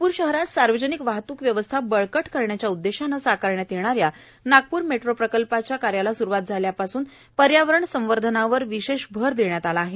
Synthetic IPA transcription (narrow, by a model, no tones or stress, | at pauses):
puːɾɕəɦɾat̪saɾʋəd͡ʑənikʋaɦt̪uːkʋjəʋəst̪ʰabəɭkəʈkəɾɳjat͡ɕjaud̪ːeɕanːasakaɾɳjat̪jeɳ̃aɾja | naɡ̚puːɾmeʈɾopɾəkəlpat͡ɕjakaɾjalasuɾuʋat̪̚d͡zʱaljapasuːn | pəɾjaʋəɾəɳsə̃m̃ʋəɾd̪ʱənaʋəɾʋiɕeɕbʱəɾd̪eɳjat̪alaːɦe